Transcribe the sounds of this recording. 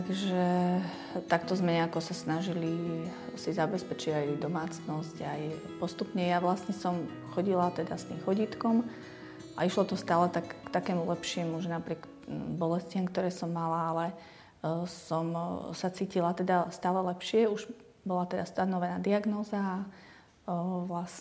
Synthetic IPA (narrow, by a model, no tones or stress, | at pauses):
t̪aɡʒɛ | t̪akt̪ɔzmɛɲɛakɔsasnaʒilisizabɛspɛt͡ʃiɟajd̪ɔmaːt͡snɔscaj | pɔst̪upɲɛjaʋlasɲɛsɔm | xɔɟilat̪ɛd̪ast̪iːmxɔɟiːt̪kɔm | a̰iʃlɔt̪ɔst̪aːlɛt̪akːt̪akɛːmulɛpʃɪimuuʒɛnapɾɪɛk | bɔlɛscɪamkt̪ɔɾɛːsɔmːalaalɛ | sɔmsat͡siːcilat̪ɛd̪ast̪aːlɛlɛpʃɪɛuʒ | bɔlat̪ɛd̪ast̪anɔʋɛnaːd̪iaɡnɔːzaː | ʋlas